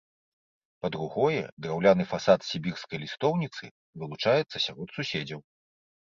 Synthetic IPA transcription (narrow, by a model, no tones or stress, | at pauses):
pɐd̪ɾuɣɔjɛ̰d̪ɾawlʲanɨfasat̪sʲibʲirskɐjlʲist̪ɔwnʲit̪sɨ | vɨlˠut͡ʂajɛt̪sːɐsʲaɾɔt̪susʲed͡zʲɐw